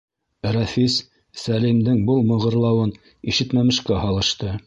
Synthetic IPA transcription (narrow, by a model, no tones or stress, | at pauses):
ɾɑfisː | ælimd̪ɘŋbɤlˠmɤ̆ʁɤ̆ɾlˠɑwɤn | iʃɘ̆t̪mæmɘ̆ʃkæhɑlˠɤ̆ʃt̪ɤ